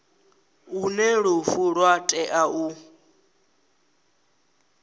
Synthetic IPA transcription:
unɛɺufuɺwatʼɛʔau

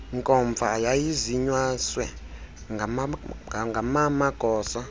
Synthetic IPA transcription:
ŋkʼɔɱb̪vʱajajiziɲwaswɛ | ŋ | ŋɡʱamamaɡ̥ʱɔːsa

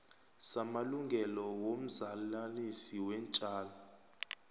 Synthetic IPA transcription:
samaluŋɡʱɛlɔwom̩zalanisiwɛnt͡ʃʼaːlɔ

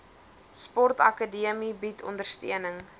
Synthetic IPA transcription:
spɔrtɐkədiəmibitʰɔ̰ndərstiənəŋ

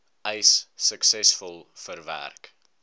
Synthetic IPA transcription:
ʔəjsːəksɛsfɔlˠfərvæ̰rk

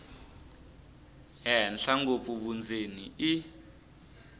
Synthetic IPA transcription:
ɦɛnɬaŋɡofuβund͡zenii

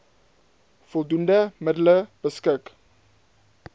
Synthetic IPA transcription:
fɔlˠdundəmədələb̥əskək

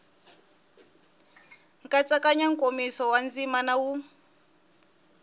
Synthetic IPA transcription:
ŋkat͡sakaɲaŋ̩komisɔwand͡zimanawu

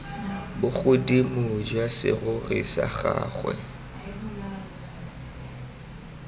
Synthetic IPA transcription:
bʊɣʊdimʊd͡ʒwasɪ̰ɣʊɣɪsaχaːχwɛ

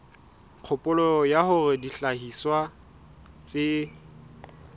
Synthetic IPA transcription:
q͡χʰʊpʼʊlɔjahʊrɪdiɬaɦiswa | t͡sʼɪ

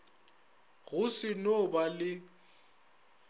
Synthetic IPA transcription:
ɣʊsɪnobalɪ

